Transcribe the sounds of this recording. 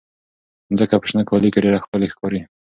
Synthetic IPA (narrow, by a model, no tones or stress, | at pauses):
zəkapɪ̥ʃnəkɑlikeɖeɾaxpəlexkɑɾi